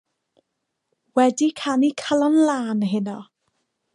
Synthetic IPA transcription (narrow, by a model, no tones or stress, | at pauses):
wɛdikʰanikʰəlˠɔnlaːnɦɪnɔ